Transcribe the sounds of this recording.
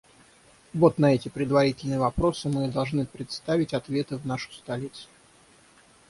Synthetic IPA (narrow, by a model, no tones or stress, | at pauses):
vo̞t̪nɐɛtʲɪpɾʲɪd̪vɐɾʲitʲɪlʲnɨjəvɐpɾo̞sɨmɨd̪ɐlˠʐnɨpɾʲɪt̪st̪avʲɪtʲɐt̪vʲe̞t̪ɨvnaʂʊ̥st̪ɐlʲit̪sʊ̥